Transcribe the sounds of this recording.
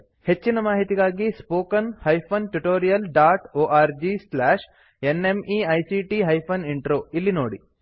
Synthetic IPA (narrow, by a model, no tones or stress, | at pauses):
het͡ʃːinɐmaːɦit̪iɡaːɡispoːkɐnhɐjpʰɐnʈuʈoːɾijɐlɖaːʈoːʔaːɾd͡ʒislaːʃ | enemiːɐjsiːʈiːɦɐjpʰɐniɳʈɾoːilːinoːɽi